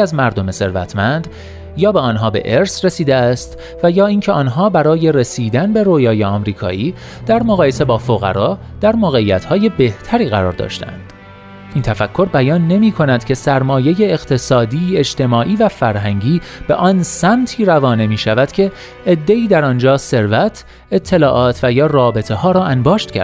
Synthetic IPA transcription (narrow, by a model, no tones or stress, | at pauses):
æzmæɾd̪o̞me̞se̞ɾvæ̰t̪ʰmænd̪ | jɒːbe̞ɒːnɦɒːbe̞̰ʔeɾsre̞siːd̪eæst̪ | væjɒːiːncʰeɒːnɦɒːbæɾɒːje̞re̞siːd̪ænbe̞ɾoːjɒːjeɒmɾiːkʰɒ̰ːʔiː | d̪̥æɾmoɣɒːje̞se̞bɒːfoɣæ̰ɾɒː | d̪̥æɾmoːɣe̞iːæt̪ʰhɒːje̞be̞ht̪ʰæɾiːɣæɾɒ̰ːɾd̪ɒ̰ːʃt̪æ̰æ̰nd̪̥ | ʔiːnt̪ʰæfækʰːo̞ɾbæjɒːnːe̞miːkʰo̞næd̪̥cʰe̞sæɾmɒːje̞je̞ːɣt̪ʰe̞sɒːd̪iːe̞d͡ʒt̪ʰe̞mɒːʔiːvæfæɾɦæŋɟiːb̥e̞̰ʔɒːnsæmt̪ʰiːɾævɒːne̞miːʃævæd̪̥cʰe̞ː | d̪ːe̞iːd̪æɾɒnd͡ʒɒːse̞ɾvæt̪ʰ | e̞t̪ʰːe̞lɒːʔɒːt̪ʰvæjɒːrɒːbe̞t̪ʰe̞hɒːɾɒːʔænbɒːʃt̪cʰæ̰ɾ